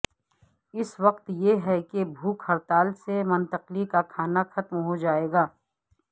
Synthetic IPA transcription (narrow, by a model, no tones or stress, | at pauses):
ɪswɐqt̪jeɦɛkebʱuːkhɐɾt̪aːlsemɐnt̪əqlikakʰaːnaxɐt̪mɦod͡ʒaːeːɡaː